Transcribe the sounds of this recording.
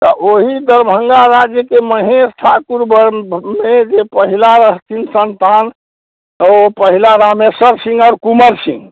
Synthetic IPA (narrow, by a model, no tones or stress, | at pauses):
t̪ɔʔoɦid̪əɾbʱəŋɡaɾad͡ʒjəkeməɦesʈʰakuɾbəmed͡ʒepəɦilaɾəɦt̪ʰinsənt̪an | t̪əopəɦilaɾamesəɾsĩŋɡaːɾkuməɾsḭ̃ŋɡ